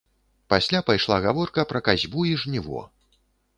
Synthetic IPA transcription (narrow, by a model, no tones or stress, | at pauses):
pasʲlʲapajʂlˠaɣavɔrkɐpɾɐkazʲbuiʐnʲivɔ̰